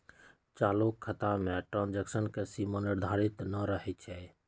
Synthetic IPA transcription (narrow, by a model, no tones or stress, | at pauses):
t͡ʃaːlokʰːət̪amẽʈɾãnd͡ʒəksənkesiməniɾd̪ʱaɾit̪nəɾəɦɛt̪̚t͡ʃʰɛ